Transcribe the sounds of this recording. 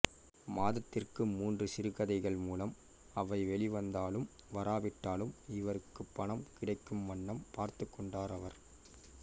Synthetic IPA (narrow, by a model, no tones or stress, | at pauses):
maːðɐt̪ːɪrkɯmuːndrɯsɪɾɯɣɐðɐɪɣɐɭmuːlɐm | ɐʋɐɪʋɛɭɪʋɐnd̪aːlɯm | ʋɐɾaːʋɪʈːaːlɯmɪʋɐɾɯkːɯpːɐɳɐmkɪɽɐɪkːɯmʋɐɳːɐmpaːɾt̪ɯkːɔɳɖaːɾɐʋɐɾ